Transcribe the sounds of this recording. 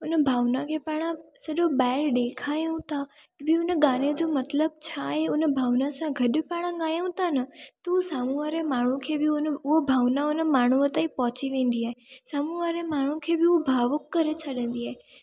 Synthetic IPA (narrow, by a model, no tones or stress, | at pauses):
ʊnəbʱaːʋnakʰeːpaːɽ̃əsɐʄobaːɪɾɗekʰaːjũt̪ʰa | bɪʊnəɠaːned͡ʑoːmɐt̪ləb̚t͡ɕʰaːɦeʊnə̆bʱaːʋnasãɡʱɐɗʊpaːɽ̃aɠaːjũt̪ʰanɐt̪ɐusaːmuʋaːɾemaːɳ̤ũkʰeːbɪʊnʊɦobʱaːʋnaʊnəmaːɳ̤uət̪aːĩpɐɦʊt͡ɕiʋẽːn̆d̪iaːɦesaːmuʋaːɾemaːɳ̤ũkʰeːbɪʊbʱaːʋʊkːɐɾet͡ɕʰɐɗə̃n̆d̪iaːe